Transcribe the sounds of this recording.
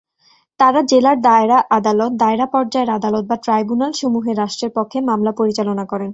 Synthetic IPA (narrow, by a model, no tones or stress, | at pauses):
t̪aɾad͡ʑelaɾd̪aeɾaʔad̪alot̪̚d̪aeɾapɔɾd͡ʑaeɾad̪alot̪̚baʈɾajbunalʃomuɦeɾaʃʈɾeɾpɔkʰːemamlapoɾit͡ɕalonakɔɾen